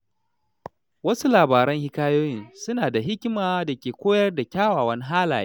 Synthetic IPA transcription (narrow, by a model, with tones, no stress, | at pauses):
wɐ˦su˦laː˨baː˨ɾɐ˦ŋhɪ˦kaː˦joː˦jɪ˦nsʊ˦naː˨da˨ɦɪ˦kʲmaː˨da˨kʲeː˨kʷoː˦jɐ˦rda˨kʲaː˦waː˨wɐ˦ni˦ɦaː˦la̰ː˨je˦